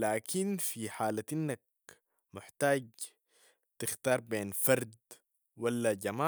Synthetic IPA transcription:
laːkʰinfiħaːlaʔinːak̚ | mɪħt̪aːɟ | t̪ɪxt̪ɑːɾˤbeːnfɑɾˤd̪ | walːaɟamaː

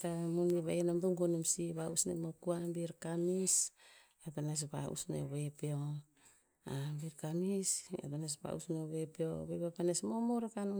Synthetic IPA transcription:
tamumniβajenamduŋɡonemsiβausnemokuambiɾkamis | atones̬pa̰ṵsnḛβepeo | abiɾkamisa̰tones̬pa̰ṵsneβepeo̰βepepanesmomoɾakanu

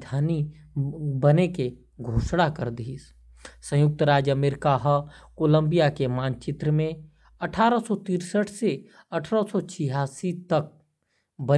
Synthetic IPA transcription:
d̪ʱaːni | bəneke | ɡʱoːʃɽakɐɾd̪is | sə̃jʊk̚t̪əɾaːd͡ʒəmeːɾɪkaɦkoːlə̃mbijakemaːnt͡ʃɪt̪ɾəmẽ | ɐʈʰaːɾəsɔt̪iːɾsəʈʰse | ɐʈʰɾəsɔt͡ʃʰiɦaːsit̪ɐk̚ | bə

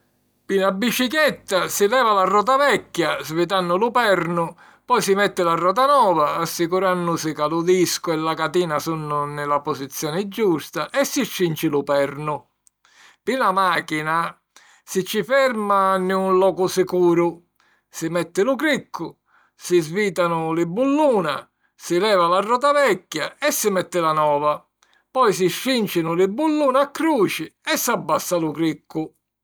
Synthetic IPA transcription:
pinabːit͡ʃikjɛt̪ːasilɛːvalarːɔːt̪̬avɛkːjazvɪt̪̬anːʊlʊpɛɾnʊ | pɔjsimɛt̪ːɪlarːɔːt̪̬anɔːvaːsːikuɾanːʊsɪkalʊd̪iskʊɛlːakat̪iːnasunːʊnɪlaposit̪sːjɔːnɪd͡ʒːust̪aʔɛsːit͡ʃːint͡ʃɪlʊpɛrnʊ | pinamaːkina | sɪt͡ʃːifɛɾmanɪunlɔːkʊsɪkuːɾʊ | sɪmɛt̪ːɪlʊkɾikʰːʊ | sɪzviːt̪anʊlɪbːulːuːna̰ | sɪlɛːvalarːɔːt̪avɛkːjaɛsːɪmɛt̪ːɪlanɔːva | pɔjs̬iʃːint͡ʃɪnʊlɪbːulːuːnakːɾuːt͡ʃɪɛsːabːasːalʊkɾikʰːʊ

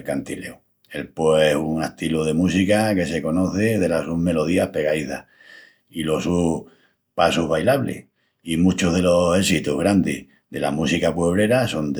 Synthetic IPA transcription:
lkant̪ile̞̰u | e̞lpeesuŋet̪iluð̞e̞musikake̞se̞ko̞no̞θe̞ðe̞lasume̞lo̞ð̞iahpe̞ɣaiθa | ilo̞su | pasuɦβajlaβlḛ | imũt͡ʃoɦðe̞lo̞se̞sit̪uɦɣɾand̪ih | ðe̞lamusikapweβ̞ɾe̞ɾaso̞nd̪

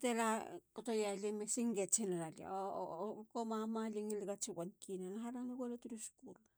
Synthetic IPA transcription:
telakotojalimesiŋɡet͡ʃinaɾalia̰okomamaliŋiliɡat͡ʃiwankinanaɦaɾaŋaɡelatuɾiskul

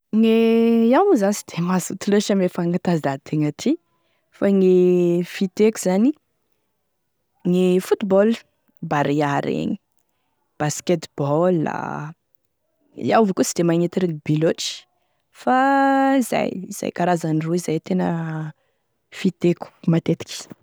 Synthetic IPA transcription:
ŋeawzasid̪̥emazut̪ileʃamefaŋɡat̪azd̪at̪ʰeŋat̪ʰi | faŋifit̪ekuzani | ŋifut̪ibɔl | baɾiaɾḛɲi̥ | b̥asket̪bɔlːa̰ | ia̰wvikut͡sid̪emaŋet̪iɾiŋibiloʈ͡ʂi̥ | faiza̰jiz̥a̰jkaɾazaniruizajt̪enə | fit̪eku̥mat̪et̪i̥kʲi̥

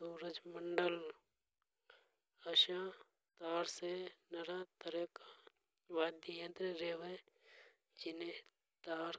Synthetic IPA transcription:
uːɾəd͡ʒməɳɖəl | əʃã | t̪aːɾsenɐɾat̪əɾəka | ʋaːd̪ijə̃t̪ɾeɾeːʋe | d͡ʒɪne | t̪aːɾ

